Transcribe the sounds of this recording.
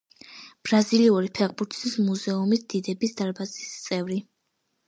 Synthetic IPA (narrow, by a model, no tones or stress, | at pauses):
b̥ɾaziliuɾipʰɛʁbuɾt̪ʰsismuzɛumisd̪̥id̪ɛbisd̪aɾbazi̥st̪sʼɛvɾi